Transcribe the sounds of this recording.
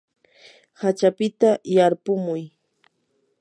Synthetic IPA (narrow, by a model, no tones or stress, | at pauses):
hat͡ʃapɪt̪ajaɾpʊmʊj